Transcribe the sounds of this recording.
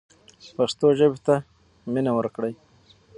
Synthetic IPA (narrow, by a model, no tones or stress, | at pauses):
past̪oʒəbet̪a | minawəɾkɽəj